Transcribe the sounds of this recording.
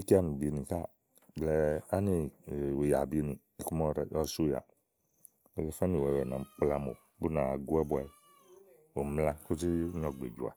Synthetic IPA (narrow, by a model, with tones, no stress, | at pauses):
i˦ki˦a˦˨mi˨bi˨nĩ˨ka˦˨ | blɛ˨a˦ni˨we˨ja˨bi˦nĩ˨ | i˨ku˦mɔ˦ɾɛ˨ɔ˦su˦ja̰˨ | ɛ˨ɡɛ˦fa˦ni˨wɛ˨wɛ˨nã˨m˦k͡pla˦mo̰˨ | bu˦na˨ɡu˦ɛ˦bwa˨˦ | o˨mla˦ku˦t͡ʃi˦ɲɔ˨ɡ͡bḛ˨d͡ʒu˨a̰˨